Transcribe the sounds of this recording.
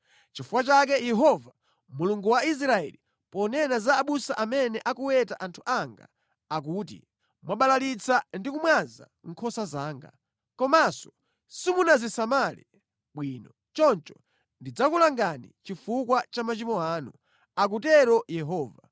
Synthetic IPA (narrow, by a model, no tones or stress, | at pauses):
t͡ʃifukwat͡ʃak̬ɛjɛɦɔva | muluŋɡuwais̬ɾaɛ̰li | pɔnɛnazaːɓusaʔamɛnɛʔakuwɛtaʔantʰu̥ʔaŋɡa̰ | ak̬uːt̬ḭ | mwaɓalalit͡sandikumwanza̰ŋ̩kʰɔsazaːŋɡa̰ | kɔmasɔ̥ | simunazisamalḭ | ɓwiːnɔ | t͡ʃɔnt͡ʃɔ | ndid͡zakulaŋɡanḭt͡ʃifukwat͡ʃamat͡ʃimɔaːnu | ak̬utɛɾɔjɛɦɔːva